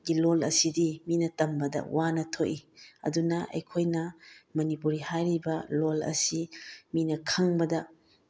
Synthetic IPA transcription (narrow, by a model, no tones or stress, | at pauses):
ɡilolɐ̰sidiminɐtɐmbɐdɐ̰wanɐtʰoʔiɐ̰dunɐʔɐ̰jkʰojnɐmɐnipuɾihajɾibɐlolɐ̰siminɐkʰɐŋbɐdɐ